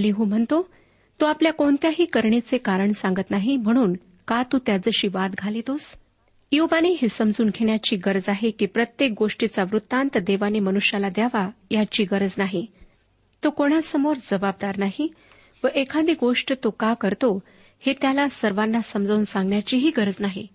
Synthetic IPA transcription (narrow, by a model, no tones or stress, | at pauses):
liɦũm̤əɳt̪o | t̪oapljakoɳt̪jaɦiːkəɾɳit͡sekaɾəɳsãŋɡət̪naɦim̤əɽ̃uːn | kat̪uːt̪jad͡zəɕiːʋat̪ɡʱalit̪os | jobaneɦesəmd͡zuːnkʰeɳ̃jat͡ɕiːɡəɾd͡zaɦekiːpɾət̪jek̚ɡoʂʈit͡saʋɾut̪ːant̪d̪eʋanemənuɕjalad̪jaʋajat͡ɕiːɡəɾəd͡znaɦi | t̪okoɽ̃asəmoɾd͡zəbab̚d̪aɾnaɦi | ʋəʔekʰãd̪iːɡoʂʈt̪okakəɾt̪o | het̪jalasəɾʋanːasəmd͡zouːnsãŋɡɳjat͡ɕiːɦiːɡəɾəd͡znaɦḭ